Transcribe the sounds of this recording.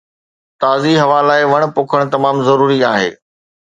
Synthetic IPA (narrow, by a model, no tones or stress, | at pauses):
t̪aːziɦɐʋaːlaːɪʋɐɽ̃̆pʊːkʰəɽ̃t̪ɐmaːmzɐɾuːɾiaːɦḛː